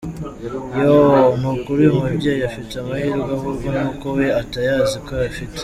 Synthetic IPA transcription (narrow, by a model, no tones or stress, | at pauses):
jomukuɾujumubɟejiafiteamahiːɾɡwahuɾɡonuːkowe̞atajaːziko̞jafite̥